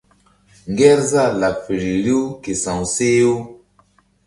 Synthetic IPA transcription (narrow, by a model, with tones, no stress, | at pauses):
ŋ˦ɡɛ˦ɾza˦˨la˨fi˨ɾi˨ɾi˦u˦ke˨sã˨wse˦u˦